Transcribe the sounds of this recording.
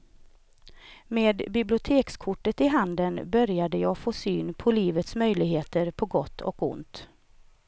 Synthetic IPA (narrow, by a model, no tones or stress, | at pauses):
meːd̪bɪblɪʊt̪ʰeːkskʰʊʈːət̪ɪɦand̪ənbœɾjad̪əjɑːɡfoːsyːnpʰɔliːvət̪smœjlɪɡheːt̪əɾpʰɔɡɔt̪ʰːɔ̰kʊ̰nt̪